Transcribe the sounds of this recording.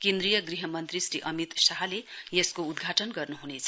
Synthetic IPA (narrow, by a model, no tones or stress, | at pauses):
kend̪rijʌɡriɦʌmʌnt̪risɾiʔʌmit̪saɦʌlejeskoud̪ɡʱaʈʌnɡʌrnuɦunet͡sʰʌ